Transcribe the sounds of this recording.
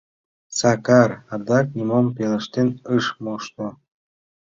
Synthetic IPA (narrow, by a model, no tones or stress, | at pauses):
sɑkɑrɑd̪ɑk̚nʲimompelə̆ʃt̪enəʃmoʃt̪o